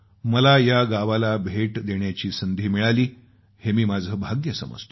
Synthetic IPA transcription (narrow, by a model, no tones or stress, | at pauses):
məlajaɡaʋalabʱeʈd̪eɳjat͡ɕiːsənd̪ʱiːmiɭaliː | hemiːmad͡zʱəːbʱaɡjəsə̰mə̰d͡zt̪ʰ